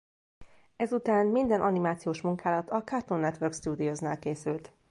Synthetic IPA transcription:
ɛzut̪aːnmind̪ɛnʔɒnimaːt̪sijoːʃmuŋkaːlɒt̪ʰɒkart̪onːɛt̪ʋørkst̪uːd̪iozna̰ːlkeːsylt̪

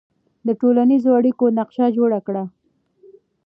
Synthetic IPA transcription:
d̪əʈolanizoaɽikonaqʃad͡ʒoɽakɽa

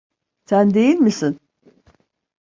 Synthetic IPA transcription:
sænd̪e̞jilʲmisin

